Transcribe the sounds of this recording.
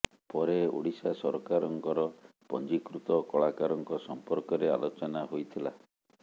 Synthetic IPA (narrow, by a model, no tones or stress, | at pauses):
pɔɾeṵɽisasɔɾkaɾɔŋkɔɾɔ | pɔ̰nd͡ʒikɾut̪ɔkɔɭakaɾɔŋkɔsɔmpɔɾkɔɾea̰lot͡ʃɔnaɦojt̪ʰila̰